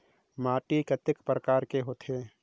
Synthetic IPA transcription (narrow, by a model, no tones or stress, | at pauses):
maːʈikɐt̪ɪkpɾəkaːɾkeɦoːt̪ʰeː